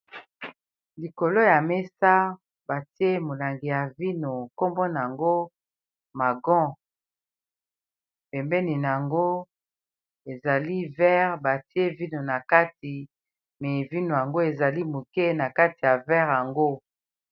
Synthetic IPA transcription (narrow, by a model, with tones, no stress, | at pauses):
li˨ko˨lo˦ja˨mɛ˦sa˦ | ba˨ti˦e˦mo˨la˨ŋɡi˨ja˨vi˦no˨ko˦mbɔ˦n˨a˨ŋɡo˦ | ma˨ɡɔ̃˦ | pɛ˨mbɛ˦ni˨n˨a˨ŋɡo˦ | e˨za˨li˦vɛ˦ʁba˨ti˦e˦vi˦no˨na˨ka˦ti˨ | mɛ˨vi˦no˨ja˨ŋɡo˦e˨za˨li˦mo˨kɛ˦na˨ka˦ti˨ja˨vɛ˦ʁja˨ŋɡo˦